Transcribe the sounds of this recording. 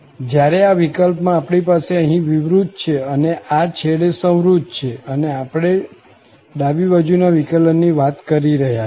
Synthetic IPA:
d͡ʒjaɾeaʋikəlpmãːpɳipaseəɦĩʋiʋɾud̪̚ʱt͡ʃʰeəneʔat͡ʃʰeɽesə̃w̃ɾud̪̚ʱt͡ʃʰeəneapɽ̃e | ɖabibad͡ʒunaʋikələnːiʋat̪kəɾiɾəɦja

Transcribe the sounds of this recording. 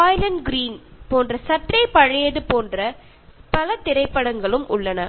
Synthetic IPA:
aːjlɐnɡɪɾiːnpoːndrɐsɐʈrɐɪpɐɻɐjɐðɯpoːndrɐ | pɐlɐt̪ɪɾɐɪpːɐɽɐŋɡɐɭɯmʊɭːɐnɐ

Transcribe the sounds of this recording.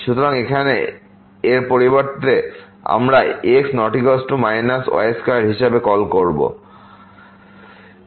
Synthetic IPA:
ʃut̪oɾaŋekʰane | eɾpoɾibaɾt̪e | a̰mɾaeksnɔʈikɔsʈumajnasɔ̰eskaɾɦiʃabekɔlkoɾbo̰

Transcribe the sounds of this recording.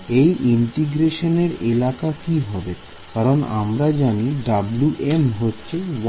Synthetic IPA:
ejʔiɳʈiɡɾeʃoneɾelakakiɦɔbe | kaɾona̰mɾad͡ʑaniɖabluʔemɦotːɕʰew

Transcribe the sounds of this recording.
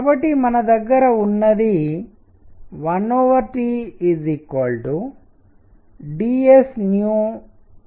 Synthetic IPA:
kbɐʈːimɐnɐd̪ɐɡːɐɾɐunːɐd̪i | ʋɐnoːʋɐɾʈiːzikoːlɖu | ɖiesnjuː

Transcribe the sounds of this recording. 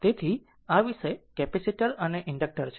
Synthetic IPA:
t̪et̪ʰi | aʋiʃəekɛpɛsiʈəɾəneʔɪɳɖək̚ʈəɾt͡ʃʰ

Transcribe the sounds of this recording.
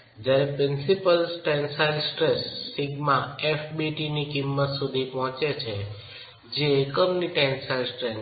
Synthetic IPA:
d͡ʒaɾepɾɪnsipəlsʈɛnsajlsʈɾesːɪɡmãefbiʈinikɪmːət̪sud̪ʱipɔɦɔ̃t͡ʃet͡ʃʰe | d͡ʒeːkəmniʈɛnsajlsʈɾe

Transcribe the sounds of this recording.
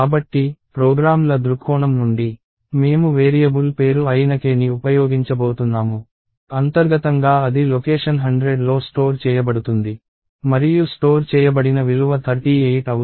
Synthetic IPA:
kaːbɐʈːipɾoːɡɾaːmlɐd̪ɾukʰːɔːɳɐmnuɳɖi | me̞ːmuʋeːɾijɐbulpe̞ːɾuɐjnɐkeːniupɐjoːɡiɲt͡ʃɐbo̞ːt̪unːaːmu | ɐnt̪ɐɾɡɐt̪ɐŋɡaːɐd̪ilokeːʂɐnɦɐɳɖɾeɖlo̞ːsʈo̞ːɾt͡ʃɛːjɐbɐɽut̪und̪i | mɐɾijusʈo̞ːɾt͡ʃɛːjɐbɐɽinɐʋiluʋɐt̪ʰɐɾʈiːeːʈɐw

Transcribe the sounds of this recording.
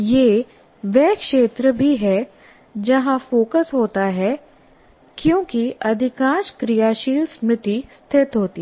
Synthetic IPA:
jeː | ʋɛːkʃeːt̪ɾəbʱiɦɛ | d͡ʒɐɦãfoːkəsɦoːt̪aɦɛ | kjõːkiɐd̪ʱɪkãːʃkɾɪjaːʃiːlsmɾɪt̪ist̪ʰɪt̪ɦoːt̪i

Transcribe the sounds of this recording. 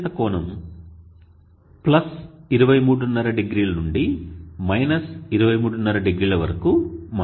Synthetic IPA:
ɐkɔːɳɐm | plɐsiɾuʋɐjmuːɽunːɐɾɐɖeɡɾiːlɐnuɳɖimɐjnɐsiɾuʋɐjmuːɽunːɐɾɐɖeɡɾiːlɐʋɐɾɐkum

